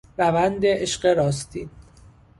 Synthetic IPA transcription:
ɾævænd̪eʔeʃɢeɾɒːst̪ʰiː

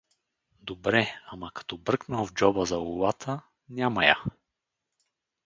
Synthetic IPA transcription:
d̪obɾɛamɐkɐ̥t̪ɔbɾɤknəlˠvd͡ʒɔbəzɐʊuvat̪ʰə | nʲamɐja̰

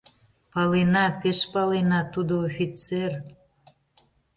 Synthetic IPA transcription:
pɑlenɑpeʃpɑlenɑt̪ud̪oofʲit͡ser

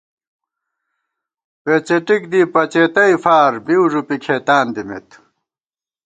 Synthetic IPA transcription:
peːt͡ɕeʈik̚d̪ipɐt͡ɕeːt̪ɐifaːɾbiuʐupikʰeːt̪aːnd̪imḛt̪

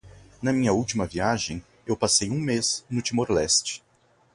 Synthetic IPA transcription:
nɐmĩɲɐuwt͡ʃimɐviaʒẽj̃ | ewpasejũmeznʊt͡ʃimoɾlɛst͡ʃɪ̥

